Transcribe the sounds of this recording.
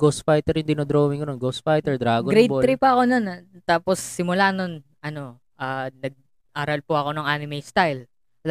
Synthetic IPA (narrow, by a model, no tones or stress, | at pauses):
ɡosfajt̪ɛɾʊnd̪ɪnod̪ɾoːmɪŋkɐnonɡowsfajt̪ɛɹd̪ɾaːɡoɡɾɛj̪b̪ɾipɐɐko̞nont̪aːpo̞sːɪmʊlano̞n | ʔɐno̞ | ʔaːnɐɡ̚ | ʔaːɾɐlpʊʔɐko̞nɐŋʔaːnɪmɛjst̪ajl